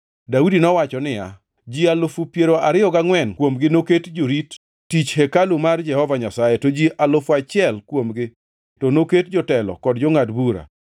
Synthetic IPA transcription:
daudinɔwat͡ʃɔnɪja̰ | d͡ʒialofupjeɾoaɾɪjɔɡaŋwɛnkwomɡɪnoketd͡ʒoɾit | tit͡ʃhɛkalumard͡ʒɛhɔvaɲasajetod͡ʒialofat͡ʃɪɛlkwomɡɪ | tɔnoketd͡ʒɔtɛlɔ̰kɔdd͡ʒɔŋadbuɾa̰

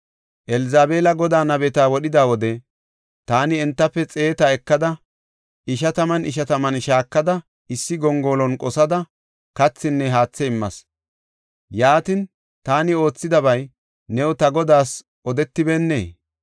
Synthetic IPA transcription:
ʔɛlɪzaːbe̞ːlɐɡɔd̪aːnɐbɛt̪aːwɔɗɪd̪aːwɔd̪ɛ | t̪aːnɪɛnt̪ːɐpːɛt͡sʼe̞ːt̪ɐɛkːɐd̪ɐ | ʔɪʃɐt̪ɐmɐnɪʃɐt̪ɐmɐnʃaːkːɐd̪ɐ | ɪsːɪɡɔŋɡoːlɔnkʼɔsɐd̪ɐ | kɐt͡sːɪnːɛɦaːt͡sːɛɪmːɐs | jaːt̪ɪn | t̪aːnɪo̞ːt͡sːɪd̪ɐbɐj | nɛwt̪ɐɡɔd̪aːs | ʔɔd̪ɛt̪ːɪbɛnːeː

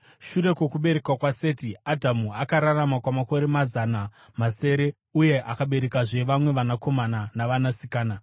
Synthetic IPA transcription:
ʃuɾe̞kwe̞kuɓe̞ɾe̞kwakwase̞ːtiadʱamuakaɾaramakwamako̞ɾe̞mazana | mase̞ːɾe̞ | uje̞ʔakaɓe̞ɾe̞kaʐe̞ʋamwe̞ʋanako̞mananaʋanasikaːna

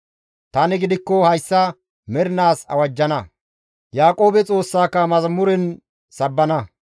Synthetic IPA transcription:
t̪ɐnɪɡɪd̪ɪkːɔhɐjsːɐ | mɛɾɪnaːsɐ̰wɐd͡ʒːɐnɐ | jaːkʼo̞ːbɛt͡sʼo̞ːsːaːkːɐmɐzmʊɾɛn | sɐbːɐnɐ

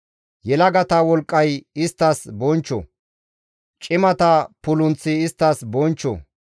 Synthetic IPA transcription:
jɛlɐɡɐt̪ɐwɔlkʼːɐjɪst̪ːɐsbɔnt͡ʃːɔ̰ | t͡ʃʼɪmɐt̪ɐpʊlʊnt͡sːɪːst̪ːɐsbɔnt͡ʃːɔ̰

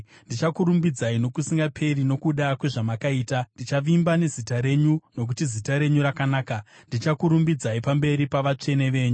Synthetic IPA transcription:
ndit͡ʃakuɾumbid͡zaino̞kusiŋɡapʰe̞rino̞kuɗakwe̞ʐamakaiːtandit͡ʃaʋimbane̞zitaɾe̞ɲuno̞k̬utizitaɾe̞ɲuɾakanaːkandit͡ʃakuɾumbid͡zaipambe̞ɾipaʋat͡ʂe̞ne̞ʋe̞ːɲu

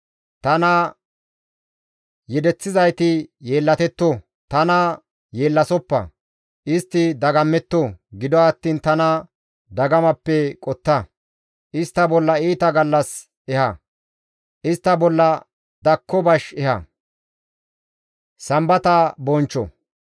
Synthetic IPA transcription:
t̪ɐnɐ | jɛd̪ɛt͡sːɪzɐjt̪ɪje̞ːlːɐt̪ɛt̪ːɔ | t̪ɐnɐ | jeːlːɐsɔpːɐ̰ | ʔɪst̪ːɪd̪ɐɡɐmːɛt̪ːɔɡɪd̪ɔɐt̪ːiːnt̪ɐnɐ | d̪ɐɡɐmɐpːɛkʼɔt̪ːɐ | ʔɪst̪ːɐbɔlːɐiːt̪ɐɡɐlːɐs | ʔɛhɐ | ʔɪst̪ːɐbɔlːɐ | d̪ɐkʰːɔbɐʃɛhɐ̰ | sɐmbɐt̪ɐbɔnt͡ʃːɔ̰

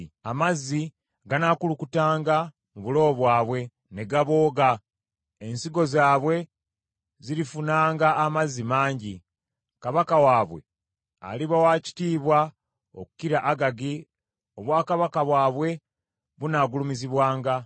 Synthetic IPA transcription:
amazːi | ɡanaːkulukutaːŋɡa | muβulo̞ːβwaːβwe̞ | ne̞ɡaβo̞ːɡa | ensiɡo̞zaːβwe̞ | ziɾifunaːŋɡaːmazːimaːɲɟi | kaβakawaːβwe̞̰ | a̰liβawaːci̥tiːβwa | o̰ku̥kiɾaʔaɡaɡi | o̞βwaːkaβakaβwaːβwe̞ | βunaːɡulumiziβwaːŋɡa

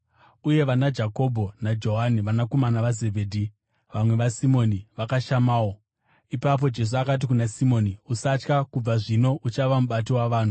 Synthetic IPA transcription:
uje̞ʋanad͡ʒako̞bʱo̞nad͡ʒo̞ɦaniʋanako̞manaʋaze̞bʱeːdʱi | ʋamwe̞ʋasimo̞niʋakaʃamaːwo̞ | ipap̬o̞d͡ʒe̞s̬uakat̬ikunasimo̞ːniusat͡ʃkakub͡vaʐino̞ʔut͡ʃaʋamuɓat̬iwaʋaːn̤u

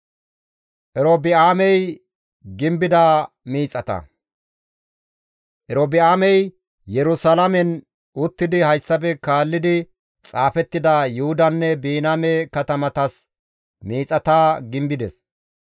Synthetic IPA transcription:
ʔɛɾobɪaːmɛj | ɡɪmbɪd̪a | miːt͡sʼɐt̪ɐ̰ | ʔɛɾobɪaːmɛj | jɛɾʊsalɐmɛn | ʊt̪ːɪd̪ɪhɐjsːɐbɛkaːlːɪd̪ɪ | t͡sʼaːfɛt̪ːɪd̪ɐjʊhʊd̪ɐnːɛbiːnamɛkɐt̪ɐmɐt̪ɐs | miːt͡sʼːɐt̪aːɡɪmbɪd̪ɛs

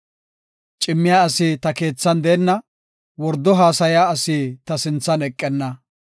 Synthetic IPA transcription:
t͡ʃʼɪmːɪjaːɐsɪt̪ɐke̞ːt͡sːɐnd̪eːnːɐ | wɔɾd̪ːɔɦaːsɐjaːɐsiːt̪ɐsɪnt͡sːɐnɛkʼːɛnːɐ

